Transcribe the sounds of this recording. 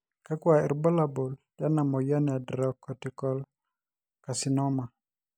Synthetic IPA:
ka˦kwa˨ɛ̰˨ɾbɔ˦la˨bo˨lda˦na˨mɔ˨jɔ˦na˨dɾɔ˦kːɔ˨tɪ˨kɔ˦l | ka˨sɪ˨nɔ˦ma˨

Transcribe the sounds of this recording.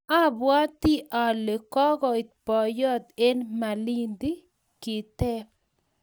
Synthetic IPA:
a˦bwa˦t̪i˦ʔa˨le˨kɔ˦ɡɔ˨i˨t̪̚pɔ˨jɔ˦t̪e˦nma˨li˦nd̪i˦ | kɪ˨t̪ɛ˦p

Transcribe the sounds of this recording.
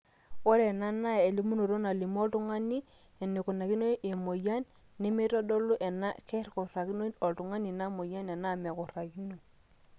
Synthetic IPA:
wo˦ɾe˨na˦na˦e˨li˦mu˦no˨ɾo˦na˨li˨m˦o˦ltu˦ŋa˦ni˦ | e˨ne˨ku˨na˨ki˦no˦ʔe˨mo˨ja˦nː | e˦mi˦tɔ˦dɔ˦lu˦ʔɛ˨na̰˦kɛ˦ɾko˨ɾa˨ki˦no˦ɔ˨ltu˨ŋa˦ni˨na˦mo˨ja˦nɛ˨na˦˨mɛ˨ko˨ɾa˨ki˦no˨

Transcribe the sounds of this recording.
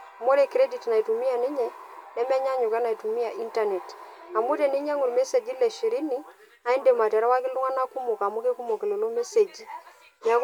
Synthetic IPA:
a˨mo˦ɾe˨kɾe˦di˨tna˨i˨tu˨mi˦a˨nɪ˦ɲɛ˨nɛ˦mɛ˦ɲa˦ɲʊ˨ka˦na˨i˨tu˨mi˦a˨ʔi˦nta˨nɛ˨t | a˨mu˦te˨nɪ˦ɲa˦ŋʊ˨ɾme˦se˨d͡ʒi˦lɛ˨ʃi˨ɾi˦ni˦ | a˨˦i˦nde˨ma˨tɛ˨ɾa˦wa˦kɪ˦lu˦ŋa˦na˦ku˦mʊ˨ka˨mʊ˦ke˦ku˦mo˨ke˨lo˨lo˦me˦se˨d͡ʒi˦ | ja˨˦k

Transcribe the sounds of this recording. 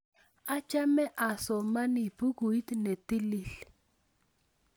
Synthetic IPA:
a˦t͡ʃa˦mɛ˦ʔa˨sɔ˨ma˦ni˨bu˦ɡu˨i˦t̪ne˨t̪i˦li˦ɬ

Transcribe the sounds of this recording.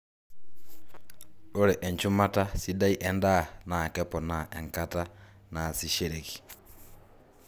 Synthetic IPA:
o˦ɾɛ˨ʔɛ˨ɲt͡ʃu˦ma˦ta˦si˦da˦i˦ʔɛ˦nda˦˨na˨kɛ˦pɔ˨na˨ʔɛ˨ŋka˦ta˦ | na˨si˨ʃe˦ɾe˨ki̥˨

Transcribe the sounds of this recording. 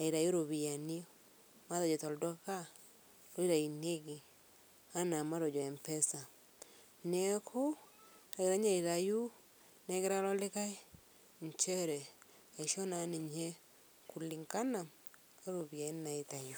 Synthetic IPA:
a˨i˨ɾa˨jo˦ɾo˨βi˨ja˨ni˦ɔ˦ | ma˦ðɔ˨d͡ʒɔ˨tɔ˨ldɔ˦ka˦ | ɾo˦i˦ɾa˨i˨ne˦ɡi˨ | a˦na˨ma˦ɾɔ˨d͡ʒɔ˨ɛ˨mpɛ˦sa˨ | nɛ˦kʰʊ˦ɾa˨ɡɪ˨ɾa˦ɲa˦˨i˨ɾa˨ju˦ | na˨˦ɡɪ˦ɾa˦lɔ˦lɪ˦ka˦i˦ | ɲt͡ʃɛ˦ɾɛ˨ | a˨i˨ʃɔ˦na˨ni˨ɲe˦ | ku˨li˨ŋka˦na˨m | a˦ɾo˨bi˨ja˨i˦n˦na˨i˨ta˨ju˨

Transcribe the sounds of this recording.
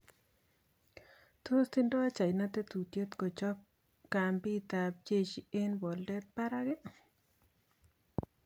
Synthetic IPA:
t̪o˦st̪ɪ˦ndo˦a˦t͡ʃa˨jna˦t̪e˦t̪u˨t̪je˦t̪ko˨t͡ʃɔ˦p̚ | ka˨mbi˦t̪a˨b̚d͡ʒe˦t͡ʃi˦e˦nbɔ˨ldɛ˦pa˦ɾa˦ɡɛ˦

